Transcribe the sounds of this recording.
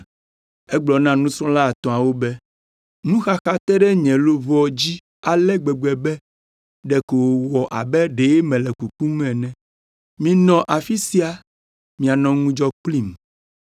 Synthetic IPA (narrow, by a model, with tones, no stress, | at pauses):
ɛ˦ɡ͡blɔ˨nã˦nũ˦sɔ̃˦la˦˨t̪ɔ̃˨a˨wo˦bɛ˦ | nũ˦xa˦xa˦t̪ɛ˦ɖɛ˦ɲɛ̃˨lo˦vɔ˦d͡ʑi˦ | a˨lɛ˦ɡ͡bɛ˨ɡ͡bɛ˨bɛ˦ | ɖɛ˨ko˨wo˨wɔ˨ʔa̰˨bɛ˦ɖe˨˦e˦mɛ̃˨lɛ˨ku˨ku˦mɛ̃˨nɛ̃˨ | mĩ˨nɔ̃˨ʔa˨fi˦si˦a˨ | mĩ˨a˨nɔ̃˨ŋũ˦d͡ʒɔ˦k͡pli˦m